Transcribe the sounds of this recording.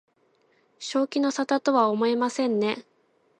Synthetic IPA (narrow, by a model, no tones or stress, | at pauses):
ɕo̞ːkʲino̞sat̪at̪o̞βaomo̞emasẽ̞nːe̞